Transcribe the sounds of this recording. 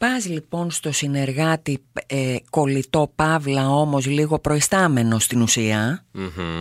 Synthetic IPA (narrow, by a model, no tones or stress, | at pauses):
pɐzlipo̞nst̪o̞sine̞ɾɣɐt̪ieko̞lit̪o̞pɐvlɐo̞mo̞zliɣo̞pɾo̞ist̪ɐme̞no̞st̪inusiɐ